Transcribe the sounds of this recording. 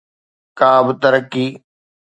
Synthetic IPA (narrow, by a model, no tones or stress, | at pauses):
kaːbt̪əɾəkːiː